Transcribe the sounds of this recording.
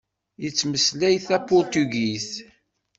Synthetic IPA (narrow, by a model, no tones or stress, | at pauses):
jət͡sːməslæjθæpʊɾt̪uɡiθ